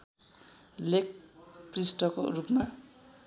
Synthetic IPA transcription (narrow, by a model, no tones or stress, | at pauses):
lek̚prisʈʌko̰rupma